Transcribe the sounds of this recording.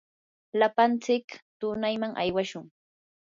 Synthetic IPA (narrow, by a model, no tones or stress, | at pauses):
lapant͡sɪkt̪ʊnajmaŋʔa̰jwaʃʊŋ